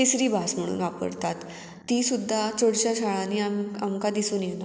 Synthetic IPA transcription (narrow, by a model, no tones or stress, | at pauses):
isɾiːbʱasm̤əɽ̃ṵːnʋapə̰ɽt̪at̪ː | isud̪ʱːat͡soɽt͡ɕjaɕaɭãniːaamkad̪isuːnjena